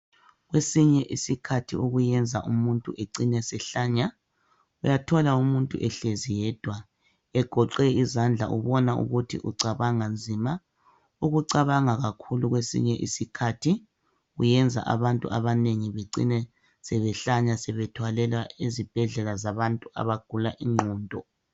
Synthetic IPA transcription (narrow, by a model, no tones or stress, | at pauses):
ɣwesiɲɛʔisikʰatʰiʔuɣujɛnd͡zʱaʔumuntʼuʔeǀinɛsɛɬaːɲa | ujatʰɔlaumuntʼṵʔɛɬezijɛːd̥ʱwa | ɛɡ̥ʱɔǃɛizand͡ɮʱa̰ʔṵβɔnaʔṵɣutʰḭʔṵǀaβaŋand͡zʱima | uɣuǀaβaŋaɣakʰuluɣwesḭɲɛʔḭsikʰatʰi | ujɛnd͡zʱa̰ʔa̰βantʼṵaβaneŋiβeǀḭnɛ | sɛβɛɬaɲasɛβɛtʰwalɛlwaezib̥ʱɛɮɛlazaβantʼua̰βaɡ̥ʱulaʔiŋ͡ǃɔːndʱɔ